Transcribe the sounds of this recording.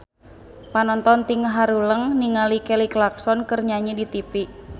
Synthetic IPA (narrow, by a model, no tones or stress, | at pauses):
panɔnt̪ɔnt̪iŋəɦaɾuləŋniŋalikɛliklak̚sɔnkərɲaɲidit̪ipiʔ